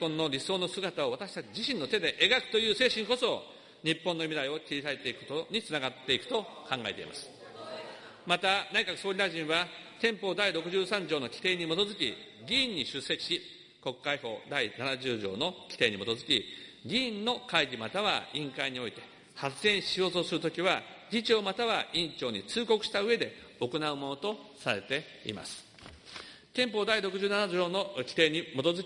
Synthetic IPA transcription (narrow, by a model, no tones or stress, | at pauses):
põ̞nːo̞ɾʲiso̞ːno̞sɨɡat̪aoβat̪aɕi̥t̪at͡ɕid͡ʑiɕĩnːo̞t̪e̞d̪e̞ʔeɡakɯ̟̥t̪o̞jɯ̟ːse̞ːɕĩŋko̞so̞ | ɲ̟ipːõnːo̞mʲid̪aio̞kʲiɾʲisaet̪e̞ikɯ̟kot̪oɲ̟it͡sɨnaɡat̪ːe̞ikɯ̥t̪o̞kãŋɡae̞t̪e̞̰ḭma̰sɨ̥ | mat̪anaikakɯ̟so̞ːɾʲid̪aʑĩɰ̃βat̪ẽ̞mpo̞ːd̪aiɾo̞kɯ̟ʑɨːsãɲd͡ʑo̞ːno̞kʲi̥t̪e̞ːɲ̟imo̞t̪o̞zɨkʲḭɡʲĩːɲ̟ːiɕɨsːekʲi̥ɕi | ko̞kkːaiho̞̰ːd̪ainanaʑɨːʑo̞̰ːno̞kʲi̥t̪e̞ːɲ̟imo̞t̪o̞zɨkʲiɡʲĩːnːo̞kaiɡʲimat̪aβa̰ĩŋkaiɲ̟io̞it̪e̞̥ | hat͡sɨẽ̞ɰ̃ɕio̞zoːsɨɾɯ̟t̪o̞kʲiβaɡʲit͡ɕiomat̪aβaĩɲt͡ɕo̞ːɲ̟it͡sɨːko̞kɯ̟ɕi̥t̪aɯ̟e̞d̪e̞ | o̞ko̞naɯ̟mo̞no̞t̪o̞saɾe̞t̪e̞ | ḭma̰sɨ̥ | t̪ẽ̞mpo̞ːd̪aiɾo̞kɯ̟ʑɨːnanad͡ʑo̞ːno̞kʲi̥t̪e̞ːɲ̟imo̞t̪o̞zɨkʲi